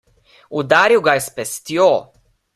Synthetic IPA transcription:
ud̪aːɾiwɡajɛspɛst̪joː

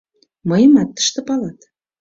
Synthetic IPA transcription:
mɤjəmɑt̪ːə̥̆ʃt̪ɤ̆pɑlɑt̪

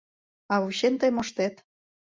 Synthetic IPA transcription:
ɑuɕent̪əjmoʃt̪et̪

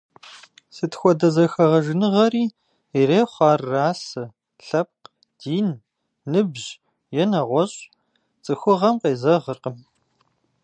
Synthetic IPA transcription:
sɨtxʷɔdɐzɐxɐʁɐʒɪnɨʁɐriː | ireːχʷɑːrːaːsɨ | ɬɐp̚q | d̥iːnː | ɨbʑ | jɛnɐʁʷɔɕʼ | t͡sʼɨxʷʊʁɐmqeːzɐʁərqəm

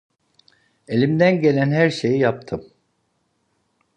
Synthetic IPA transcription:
e̞lʲimd̪ænɟe̞lʲænɦæɾʃe̞jijap̚t̪ʰɯm

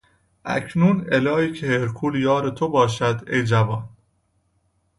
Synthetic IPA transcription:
ʔæ̰cʰnuːnelɒːiːcʰeheɾkʰuːljɒːɾet̪ʰobɒːʃæd̪ejd͡ʒævɒːn

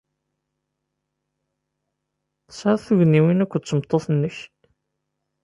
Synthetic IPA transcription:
θsaɾˤθuʝnːiwinækʷːət͡sːəmt̪ˤːoθnːəç

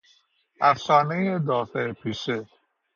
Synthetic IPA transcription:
æfsɔːnejed̪ɒːfeɾpʰiʃe

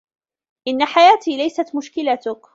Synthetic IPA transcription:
ʔɪnːaħajaːt̪iːlajsat̪mʊʃkɪlat̪ʊk

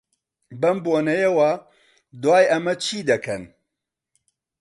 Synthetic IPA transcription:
bɐmboːnɐjewa | d̪waːjɐmɐt͡ʃʰiːd̪ɐkʰɐn

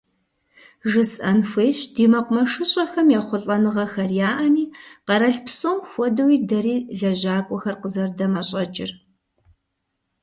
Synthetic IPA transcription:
ʒɨsʔɐnxʷeːɕdiːmɐqʷʊmɐʂɨɕʼɐxɐmjɛχʷʊɬʼɐnɨʁɐxɐrjaːʔɐmiːqɐɾɐɬpsoːmxʷɔdɐwiːdɐɾiːɮɐʑaːkʷʼɔxɐrqəzɐrdɐmɐɕʼɐt͡ʃʼɪr

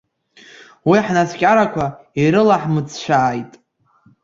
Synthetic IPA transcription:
wiħnaskʲʼaɾakʷʰa | iɾɨlaħmɨt͡sʰʃʷaːjtʼ

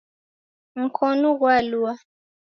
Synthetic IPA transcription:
ŋ̩kʰɔnuɣwalua

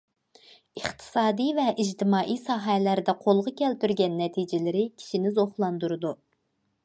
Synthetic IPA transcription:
əχt̪ʰɨ̥sɑːd̪ijvɛʔid͡ʒt̪ʰɪmɑːʔijsɑːɦɛlæɾd̪ɛqʰolˠʁɑkʲʰɛlt̪yɾɡʲɛnːɛt̪ʰid͡ʒɪlɪɾɪkʲʰi̥ʃinɪzoχlˠɑnd̪uɾɨd̪u

